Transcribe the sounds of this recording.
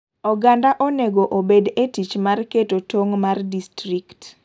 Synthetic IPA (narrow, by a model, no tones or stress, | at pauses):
ɔɡandaʔoneɡoʔobedetit͡ʃmarketotoŋmardistrikt